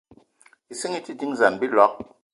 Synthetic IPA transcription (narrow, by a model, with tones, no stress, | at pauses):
i˨si˦ŋi˦ti˦di˦ŋza˨nbi˦lɔ˨˦k̚